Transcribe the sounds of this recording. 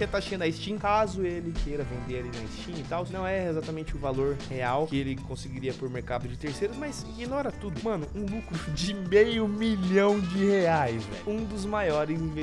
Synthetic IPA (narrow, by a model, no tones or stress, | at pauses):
et̪aʃɐ̃nd̪ɐɪst͡ʃĩkazʊelɪkejɾɐvẽnd̪eɾaɾlinɐɪst͡ʃĩnɪt̪awnɐ̃w̃ɛezat̪ɐmẽnt͡ʃɪʊvaloɾheawkɪelɪkõsɪɡiɾiɐpoɾmeɾkad̪ʊd͡ʒɪt̪eɾsejɾʊzmajs | ɡinɔɾɐt̪ud̪ʊmɐ̃nʊũlukɾʊd͡ʒɪmejʊmiʎɐ̃w̃d͡ʒɪheajzvɛ̰ũd̪ʊzmajɔɾɪz̃ve